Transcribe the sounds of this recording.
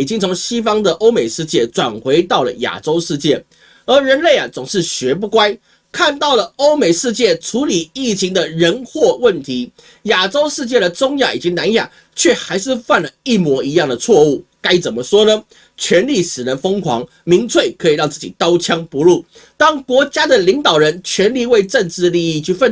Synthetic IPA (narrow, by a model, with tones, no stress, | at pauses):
i˨˩t͡ɕi˦ŋt͡sʰo˧˥ŋɕi˥fɑ˥ŋd̪ə˨ʔo˥ʊme˨˩ɪʂɻ̩˥˧t͡ɕjɛ˥˩ʈ͡ʂwa˨˩nxwe˧˥ɪt̪ɑ˥˩ʊlə̰˨˩ja̰˨˩ʈ͡ʂo˥ʊʂɻ̩˥˧t͡ɕjɛ˥˩ | ə˨˧˥ɻə˧˥nle˥˩ɪa˨˩t͡sʊ˨˩ŋʂɻ̩˥˩ɕɥɛ˧˥p̬u˥˧kwa˥ɪ | kʰa˥˧nt̪ɑ˥˩ʊlə˩o˥ʊme˨˩ɪʂɻ̩˥˧t͡ɕjɛ˥˩ʈ͡ʂʰu˧˥li˨˩i˥˩t͡ɕʰi˧˥ŋd̪ə˨ɻə˧˥nxwɔ˥˧wə˥˩nt̪ʰi˧˥ | ja˨˩ʈ͡ʂo˥ʊʂɻ̩˥˧t͡ɕjɛ˥˩d̪ə˩t͡sʊ˥ŋja˥˩ḭ˨˩t͡ɕi˦˥ŋna˧˥nja˨˩ | t͡ɕʰɥɛ˥˩xa˧˥ɪʂɻ̩˥˧fa˥˩nlə˩i˥˩mwɔ˧˥i˧˥jɑ˥˩ŋd̪ə˩t͡sʰwɔ˥˧u˥˩ka˥ɪt͡sə˨˩nmə˦ʂwɔ˥nə˧ | t͡ɕʰɥɛ˧˥nli˥˩ʂɻ̩˨˩ɻə˧˦nfɤ˥ŋkʰwɑ̰˧˥ŋ | mi˧˥ŋt͡sʰwe˥˩˨ɪkʰɤ˧˥i˨˩ɻɑ˥˧ŋt͡sɹ̩˥˩t͡ɕi˨˩t̪ɑ˥ʊt͡ɕʰjɑ˥ŋpu˧˦ɻu˥˩ | t̪ɑ˥ŋkwɔ˧˥t͡ɕja˥d̪ə˨li˧˥ŋt̪ɑ˨˩ʊɻə˧˦nt͡ɕʰɥɛ˧˥nli˥˧we˥˧ɪʈ͡ʂə˥˧nʈ͡ʂɻ̩˥˧li˥˧i˥˧t͡ɕʰy˥˧fə˥˨n